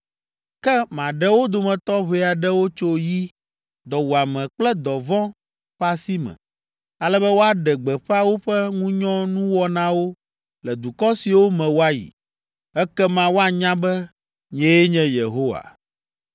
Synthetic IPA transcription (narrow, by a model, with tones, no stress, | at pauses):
kɛ˦mã˨ɖɛ˦wo˦d̪o˨mɛ̃˨t̪ɔ˦βe˦a˨ɖɛ˦wo˦t͡ʃo˦ji˦ | d̪ɔ˨wu˨a˨mɛ̃˨k͡plɛ˦d̪ɔ˨vɔ̃˦ | ɸa˦si˦mɛ̰̃˨ | a˨lɛ˦bɛ˦wo˦a˦ɖɛ˨ɡ͡bɛ˨ɸa˦wo˦ɸɛ˦ŋũ˦ɲɔ̃˦nũ˦wɔ˦nã˦wo˦ | lɛ˨d̪u˨kɔ˦si˨wo˦mɛ̃˨wo˦a˦jḭ˨ | ɛ˦kɛ˦mã˦wo˦a˨ɲã˦bɛ˦ | ɲɛ̃˨jɛ˦ɲɛ̃˦je˨ɦo˦wa̰˨